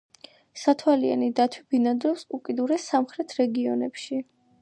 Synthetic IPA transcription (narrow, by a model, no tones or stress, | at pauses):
sat̪ʰwalia̰nid̪at̪ʰwibinad̪ɾɔpsukʼid̪uɾɛsamχɾɛt̪ʰɾɛɡiɔ̰nɛpʃi